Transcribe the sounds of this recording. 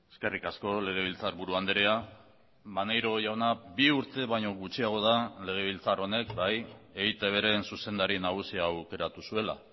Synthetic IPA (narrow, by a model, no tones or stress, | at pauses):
e̞ske̞rikasko̞le̞ɣ̞e̞β̞ilt͡saɾβuɾuand̪eɾea | manejɾo̞ʝawnabiuɾt̪e̞βajɲo̞ɣut͡ʃiaɣ̞o̞ðale̞ɣ̞e̞β̞ilt͡saro̞ne̞kbaje̞ɣit̪e̞β̞e̞ɾe̞nsuse̞nd̪aɾinaɣ̞usiaːwke̞ɾat̪usue̞la̰